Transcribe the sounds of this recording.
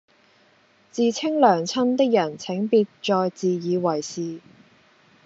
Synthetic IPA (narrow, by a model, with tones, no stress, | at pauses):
t͡siː˨˧t͡sʰɪ˥ŋlœː˨˩ŋt͡sʰɐ˥nt̪ɪ˥k̚jɐ˨˩nt͡sʰɪ˨˥ŋpiː˧t̚t͡ʃɔː˧jt͡siː˨jiː˨˧wɐ˨˩jsiː˨